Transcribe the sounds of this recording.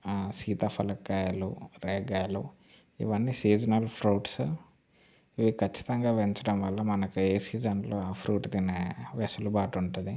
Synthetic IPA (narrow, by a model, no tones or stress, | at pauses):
siːt̪ɐpʰɐlɐkːaːjɐlṵɾeːɡaːlṵ | ḭʋɐnːisiːd͡ʒɐnɐlpʰɾuːʈs | iʋikɐt͡ʃːi̥t̪ɐŋɡaːʋeɲt͡ʃɐɽɐmʋɐlːɐmɐnɐkueːsiːd͡ʒɐnloːaːpʰɾuːʈd̪ineʋesulubaːʈuɳʈud̪i